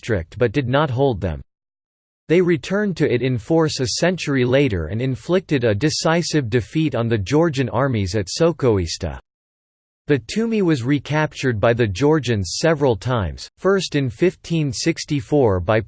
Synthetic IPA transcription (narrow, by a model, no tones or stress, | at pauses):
tɹ̥ɪ̰k̚t̚b̥ʌt̚d̥ɨdⁿnət̚ɦoʊlˠd̪̚ðɨ̰̃m | ðeɪɹitʰɜ̃˞ntʰɨɪɾɨ̃ɱfɔɹsɨsɛ̃nt͡ʃə˞ileɪɾə̰˞ɨ̰̃nɨ̃ɱflɪk̚tɨɾɨdɨsaɪsɨvdɨfiɾn̩ðɨd͡ʒɔɹd͡ʒɨ̃nɑɹmizɨtsoʊkoʊistə̰ | ðɨtʰʉmiwʌzɹikʰæp̚t͡ʃə˞d̚baɪðɨd͡ʒɔɹd͡ʒɨ̃nz̥sɛvɹəl̩ˠtʰãɪ̃mz̥fɜ˞stɨ̃nfɪftʰĩnsɪkstifɔɹbaɪ